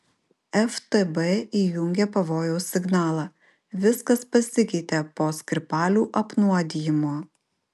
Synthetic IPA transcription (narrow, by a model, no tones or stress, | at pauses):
ɛft̪ɛbɛiːjʊŋʲɡʲepɐʋoːjɛʊsːʲɪɡnɑːlˠɑː | ʋʲɪskɐspɐsʲɪkʲɛɪt̪ʲepoːsʲkʲɾʲɪpɑːlʲuːʔɐpnuɔd̪ʲijɪmoː